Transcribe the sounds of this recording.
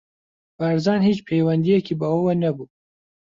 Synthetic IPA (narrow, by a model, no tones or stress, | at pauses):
b̥ɐɾzɑːnhiːt͡ʃpʰejwɛnd̪ijɛkiːbɐwɐwɐnɐbuː